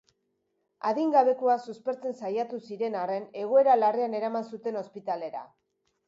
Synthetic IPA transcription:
aðiŋɡaβe̞koasuspe̞ɾt͡se̞nsajat̪usiɾe̞nare̞ne̞ɣ̞o̞e̞ɾalareane̞ɾamansut̪e̞no̞spit̪ale̞ɾa̰

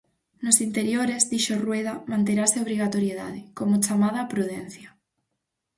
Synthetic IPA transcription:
nosint̪e̞ɾjoɾezðiʃorwe̞ð̞amãnt̪eɾaseoβ̞ɾiɣ̞at̪oɾjeða̰ð̞ekomot͡ʃamað̞apɾuð̞en̟θja

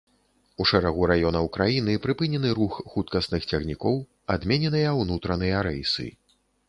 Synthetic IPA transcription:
uʂɛɾaɣuɾajɔnɐwkɾajinɨpɾɨpɨnʲɛnɨɾuxxut̪kɐsnɨxt͡sʲɐɣnʲikɔw | ad̪mʲɛnʲɛnɨjɐwnut̪ɾɐnɨjɐɾɛjsɨ̰

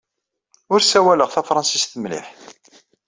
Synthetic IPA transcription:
ʊɾsæwæləʁθæfɾˤɑnsisθəmlḭħ

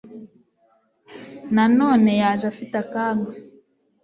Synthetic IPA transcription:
nanoːnejaːʒafitakaːŋɡe

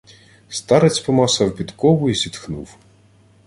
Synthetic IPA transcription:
st̪ɑɾet͡sʲpɔmɑsɑwpʲid̪kɔwʊizʲit̪xnṵw

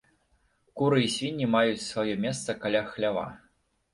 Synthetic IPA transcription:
kuɾɨisʲvʲinʲːimajut͡sʲsvajɔmʲest̪sɐkalʲaxlʲava̰

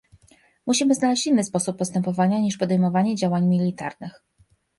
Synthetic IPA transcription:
muɕimɘznalɛɕt͡ɕinːɘspɔsupːɔst̪ɛmpɔvaɲaɲiʂpɔd̪ɛjmɔvaɲɛd͡ʑawaɲmʲilʲit̪aɾnɘx

